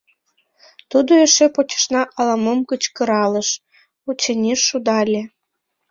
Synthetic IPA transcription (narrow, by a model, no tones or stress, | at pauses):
t̪ud̪oeʃepot͡ɕə̥ʃnɑʔɑlɑmomkət͡ɕkəɾɑlə̆ʃ | ut͡ɕenʲiʃːud̪ɑlʲe